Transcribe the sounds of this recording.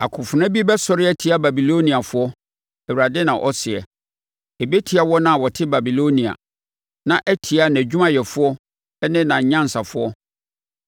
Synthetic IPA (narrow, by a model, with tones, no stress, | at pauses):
a˨kʰʊ̃˨fʊ˨nã˦bi˦bɛ˦sɔ˦ɾɪ˦ɛ˦tʰi˨a˦ba˨bi˨lo˦nĩ˨a˨fʊ˦ɔ˦ | æ˨wu˨ɾa˨dɪ˦nã˨ʔɔ˦sɪ˨ɛ̰˨ | e˨be˦tʰi˨˦a˦wɔ˦nã˦˨wɔ˨tʰɪ˦ba˨bi˨lo˦nĩ˨a̰˨ | nã˨ʔæ˦tʰi˨a˦n˨æ˨d͡ʑᶣu˦mã˦jɛ˨fʊ˦ɔ˦ | ɛ˦nɪ̃˦nã˨ɲã˦n˨sa˨fʊ˦ɔ˦